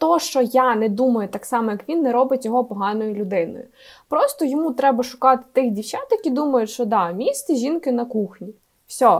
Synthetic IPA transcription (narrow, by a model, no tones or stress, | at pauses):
t̪ɔʃt͡ʃɔjanɛd̪umɐjʊt̪ɑksɑmɔjɐkʋʲinːɛɾɔbɪtʲjɔɦɔpɔɦɑnɔjʊlʲʊd̪ɪnɔ̰jʊ̰ | pɾɔst̪ɔjɔmut̪ɾɛbɐʃʊ̥kɑt̪ɪ̥t̪ɪxdʲiwt͡ʃʲɑt̪jɐkʲid̪umɐjʊtʲʃt͡ʃɔd̪ɑmʲist̪iʒʲinkɪnɐkuxnʲi | wsʲɔ